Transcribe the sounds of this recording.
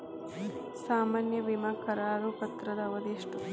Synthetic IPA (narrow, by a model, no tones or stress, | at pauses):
saːmaːnjɐʋimɐkɐɾaːɾupɐt̪ɾɐd̪ɐɐʋɐd̪eːʂʈu